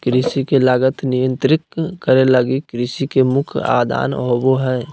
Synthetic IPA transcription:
kɾɪsikelaːɡət̪nɪjə̃nt̪ɾɪkkəɾeləɡikɾɪsikemʊkʰa̰ːd̪ʱa̰ːnɦoboɦɛː

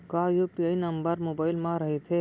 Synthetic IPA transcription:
kajopiainɐmbəɾmoːbaːɪlmãɾɐɦet̪ʰe

